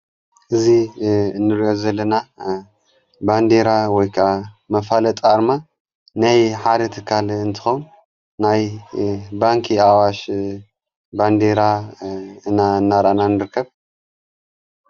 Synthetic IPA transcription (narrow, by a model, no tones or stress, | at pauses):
ʔɨzinːɨɾiʔozɐlːɐna | band̪eɾawɔjkʰɐʔamɐfalɐt̪ʼaɾma | najħad̪ɐt̪ʰɨkʰːalɨnt̪ʰɨ̥xɐwnː | aj | baŋkʰiawaʃ | band̪eɾa | ɨnanːaɾananɨɾɨkʰːɐβ